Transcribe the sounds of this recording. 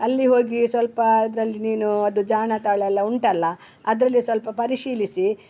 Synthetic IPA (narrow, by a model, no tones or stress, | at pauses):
ɐlːiɦo̞ːɡisʋɐlpɐɐd̪ɾɐlːiniːnuɐd̪ud͡ʒaːɳɐt̪ɐːɭɛlːɐuɳʈɐlːɐ | ɐd̪ɾɐlːisʋɐlpɐpɐɾiʃiːlisi